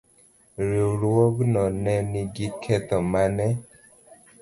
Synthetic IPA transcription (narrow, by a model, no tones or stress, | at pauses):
ɾioɾwɔɡnɔnɛniɡikʰɛt̪ɔmanɛ